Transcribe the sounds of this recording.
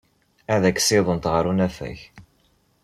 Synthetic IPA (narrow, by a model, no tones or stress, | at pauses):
æðækːsiðˤənt̪ʁəɾunæfæ̰ç